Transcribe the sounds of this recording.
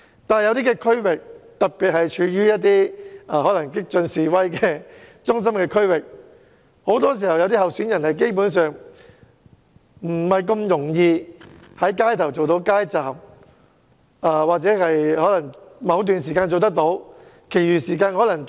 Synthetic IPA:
t̪aː˨nɐ˨jɐ˨˧wt̪iː˥kɛː˧kʰɵ˥wɪ˨k̚t̪ɐ˨˩t̚piː˨t̚hɐ˨jt͡ʃʰyː˨˧˥jyː˥jɐ˥t̚t̪iː˥aː˧˩hɔː˨˥lɐ˨˩ŋkɪ˥k̚t͡ʃɵ˧nsiː˨wɐ˥jkɛː˧t͡sʊ˥ŋs̬ɐ˥mkɛː˧kʰɵ˥ɥwɪ˨k̚ | ho˨˥wt̪ɔː˥s̬iː˨˩hɐ˨wjɐ˨˧wt̪i˥ɦɐ˨wsyː˨˥njɐ˨˩nhɐ˨jk̬e˥jp̬uː˨˥nsœː˨ŋ | m̩˨˩mɐ˨jkɐ˧mjʊ˨˩ŋjiː˧hɐ˨˥jkaː˥jt̪ʰɐ˨˩wt͡so˨wt̪o˨˥wkaː˥jt͡saː˨˩m | aː˧waː˨k̚t͡sɛː˨˥hɐ˨jhɔː˨˥lɐ˨˩ŋmɐ˨˧wt̪yː˨nsiː˨kaː˧nt͡so˨wt̪̬ɐ˥k̚t̪o˨˥w | kʰe˨˩jyː˨˩siː˨˩kaː˧nhɔː˨˥lɐ˨˩ŋ

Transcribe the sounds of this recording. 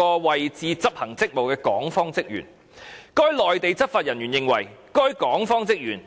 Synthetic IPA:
ɔː˧wɐ˨jt͡siː˨t͡sɐ˥p̚hɐ˨˩ŋt͡sɪ˥k̚mo˨wkɛː˧kɔː˨˥ŋfɔː˥ŋt͡sɪ˥k̚jy̰ː˨˩n | kɔː˥jlɔː˨jt̪e˨˧jt͡sɐ˥t̚faː˨t̚jɐ˨˩njyː˨˩njɪ˨ŋwɐ˨˩jkɔː˥jkɔː˨˥ŋfɔː˥ŋt͡sɪ˥k̚jyː˨˩n

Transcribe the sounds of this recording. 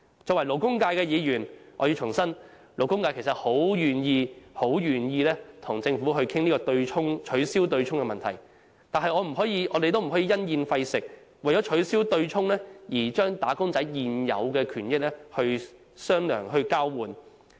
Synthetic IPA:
t͡sɔː˨wɐ˨˩jlo˨˩wkʊ˥ŋkaː˧jkɛː˧jiː˨˧jyː˨˩nʔɔ̰˨˧ji˧t͡ʃʰʊ˨˩ŋsɐ˥n | lo˨˩wkʊ˥ŋkaː˧jkʰe˨˩jsɐ˨t̚ho˨˥wjyː˨njiː˧ho˨˥wjyː˨˩njiː˧lɛː˥t̪ʰʊ˨˩ŋt͡sɪ˧ŋfuː˨˥ɦɵ˧ɥkʰɪ˥ŋniː˥kɔː˧t̪ɵ˧ɥt͡ʃʰʊ˥ŋt͡ʃʰɵ˨˥ɥsiː˥wt̪ɵ˧ɥt͡ʃʰʊ˥ŋkɛ˧mɐ˨nt̪ʰɐ˨˩j | t̪aː˨nɦɐ˨jɔː˨˧m̩˨˩ɦɔː˨˥jiː˨˧ʔɔ̰ː˨˧d̪e˨jt̪o˥wm̩˨˩ɦɔː˨˥jiː˧jɐ˥njiː˧nfɐ˧jsɪ˨k̚ | wɐ˨˩jɔː˨˥t͡ʃʰɵ˨˥ɥsiː˥wt̪ɵ˧ɥt͡ʃʰʊ˥ŋlɛː˥jiː˨˩t͡ʃœː˥ŋt̪aː˨˥kʊ˥ŋt͡sɐ˨˥jjiː˨njɐ̰˨˧wkɛː˧kʰyː˨˩njɪ˥k̚lɛː˥hɵ˧ɥ | sœː˥ŋlœ̰ː˨˩ŋɦɵ˧kaː˥wwuː˨˧n

